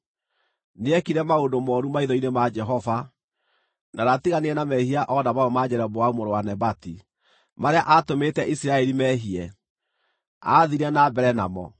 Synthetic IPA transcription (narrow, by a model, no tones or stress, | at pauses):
neɛkiɾɛmaondomɔːɾumaiðɔinemad͡ʒɛɦɔva | naɾatiɣaneɛnamɛhiaʔɔnamaɔmad͡ʑɛɾɛbowaumoɾowanɛbati | maɾeaʔatometɛʔisiɾaɛɾimɛɦiɛ | a̰ðiɾɛnabɛɾɛna̰mɔ̰